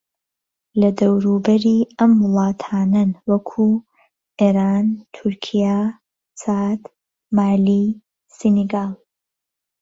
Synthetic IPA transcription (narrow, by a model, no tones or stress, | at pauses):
lɐd̪ɐwɾuːbɐɾiːɐmːʊlˠɑːt̪ʰaːnɐnwɐkʰuː | ʔeːɾaːnt̪ʰʊɾkʰija | saːd̪ | maːli | sineɡaːlˠ